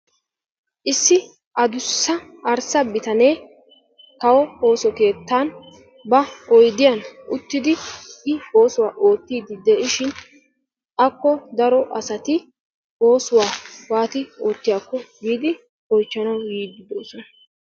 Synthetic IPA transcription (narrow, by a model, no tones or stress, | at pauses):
ʔɪsːɪ | ʔɐd̪ʊsːɐ | ɐɾsɐbɪt̪ɐneː | kɐwɔho̞ːsɔke̞ːt̪ːaːn | bɐɔjd̪ɪjɐnʔʊt̪ːɪd̪ɪʔɪo̞ːsʊwaːʔo̞ːt̪ːiːd̪ɪd̪ɛʔɪʃɪn | ʔɐkːɔd̪ɐɾɔʔɐsɐt̪ɪ | o̞ːsʊwaːwaːt̪ɪo̞ːt̪ːɪjaːkːɔɡiːd̪ɪ | ɔjt͡ʃːɐnɐwjiːd̪ɪd̪o̞ːsɔnɐ